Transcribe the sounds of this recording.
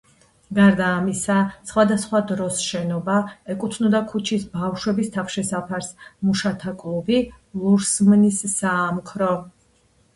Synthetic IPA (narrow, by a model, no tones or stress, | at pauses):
ɡaɾd̪aːmisasχwad̪asχwad̪ɾɔsʃɛnɔbaɛkʼut̪ʰnɔd̪akʰut͡ʃʰisbafʃwɛbist̪ʰafʃɛsapʰaɾsmuʃat̪ʰakʼlˠubi | lˠuɾsmnisːaːmkʰɾɔ